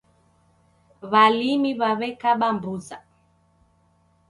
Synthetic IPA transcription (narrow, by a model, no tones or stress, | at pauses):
βalimiβaβɛkaɓambuza